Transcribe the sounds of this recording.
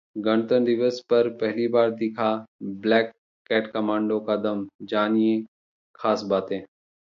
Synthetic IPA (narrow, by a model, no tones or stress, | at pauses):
ɡɐñt̪ənd̪ɪʋəspɐɾpɛɦlibaːɾd̪ɪkʰablɛːkː | ɛːʈkɐmãːɳɖõkad̪ɐmd͡ʒaːnijẽ | xʰaːsbaːt̪ẽː